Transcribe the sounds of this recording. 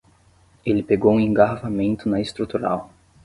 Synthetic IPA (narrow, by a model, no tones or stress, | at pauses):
elɪpeɡowũẽŋɡaɾvamẽnt̪ʊnɐɪst̪ɾut̪uɾa̰w